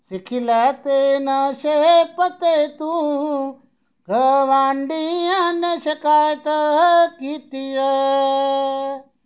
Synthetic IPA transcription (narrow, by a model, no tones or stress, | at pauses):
sikʰilat̪enɐʃeɦpɐt̪et̪ũ | ɡʱɐʋaːɳɖijanːeʃɐkaːjt̪ɐɦkit̪ijɐ